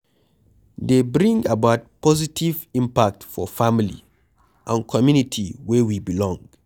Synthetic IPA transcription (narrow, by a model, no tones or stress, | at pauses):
debɹĩŋabat̚pɔzitivĩmpak̚tfɔfamilḭ | ʔãnkʰɔmjunitʰiwɛwibilɔ̃ŋ